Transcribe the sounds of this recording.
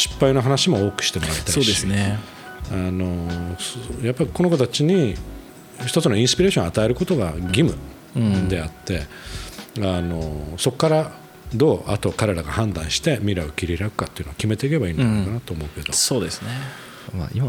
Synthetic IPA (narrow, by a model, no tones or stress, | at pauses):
ɕi̥pːaino̞ɦanaɕimo̞oːkɯ̟̥ɕi̥t̪emoɾaɾet̪asoːd̪eine | ano̞sjapːaɾʲiko̞no̞kot̪at͡ɕiɲ̟i | çi̥t̪o̞t͡sɨno̞ĩsɨ̥pʲiɾeːɕõat̪aeɾɯ̟ko̞t̪o̞ɡaɡʲimɯ̟ | d̪e̞at̪ːe̞ | ano̞so̞kːaɾa | d̪o̞ːʔa̰t̪o̞kaɾe̞ɾaɡahãnd̪ãɰ̃ɕi̥t̪e̞mʲiɾaokʲiɾʲiɾakɯ̟̥kat̪ːeɯ̟nookʲime̞t̪e̞ike̞baiːnkanat̪o̞ːmo̞ɯ̟ke̞d̪o̞soːd̪esɨne | ma̰ima